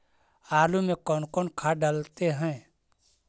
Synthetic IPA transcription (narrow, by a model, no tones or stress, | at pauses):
aːlumẽkɔːnkɔːnkʰaɖəlt̪eɦɛ̃ː